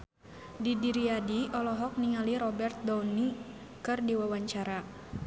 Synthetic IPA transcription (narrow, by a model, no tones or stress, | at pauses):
didiɾiadiʔɔlɔɦɔk̚niŋaliɾɔbɛrt̪̚dɔni | kɨrdiwawaɲt͡ʃaɾa